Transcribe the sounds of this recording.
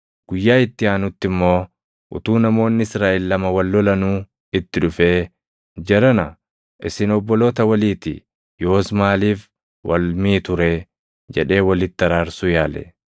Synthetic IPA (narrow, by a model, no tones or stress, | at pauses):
ɡ̥ʊjːaːɪt̪ːɪaːnʊt̪ːɪmːo̞ː | ʔʊ̰t̪uːnɐmo̞ːnːɪɪsɾaːʔɪlːɐmɐwɐlːɔlɐnuː | ɪt̪ːɪᶑʊfe̞ː | d͡ʒɛɾɐnɐ | ʔɪsɪnɔbːɔlo̞ːt̪ɐwɐliːt̪ɪ̰ | joːsmaːliːf | wɐ̰lmiːt̪ʊɾeː | d͡ʒɛᶑe̞ːwɐlɪt̪ːɐɾaːɾsʊjaːlɛ̰